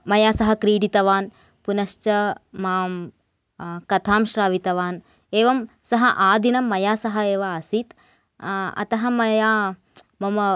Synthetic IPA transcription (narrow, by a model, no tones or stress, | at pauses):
mɐjaːsɐɦɐkɾiːɽit̪ɐʋaːn | punɐʃt͡ʃɐmaːm | kɐt̪ʰaːmʃɾaːʋit̪ɐʋaːn | eːʋɐm | sɐɦɐʔaːd̪inɐmːɐjaːsɐɦɐeːʋɐɐsit̪ | ɐ̰t̪ɐɦɐmɐjaː | mɐmɐ